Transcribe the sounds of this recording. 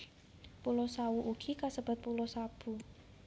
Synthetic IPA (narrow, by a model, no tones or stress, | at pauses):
pulɔsawuʔuɡ̥i̤kasəb̥a̤t̪̚pulɔsab̥ṳ